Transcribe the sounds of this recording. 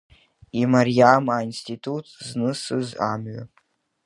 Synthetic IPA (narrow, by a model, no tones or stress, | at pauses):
imaɾiamainstitʰutʰznɨsɨza̰mɥa̰